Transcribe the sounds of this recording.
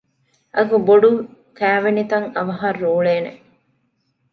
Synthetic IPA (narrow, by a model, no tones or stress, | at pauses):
ɐkuboɖu | kæːʋenit̪ɐŋɐʋɐɦɐrːuːɭeːnḛ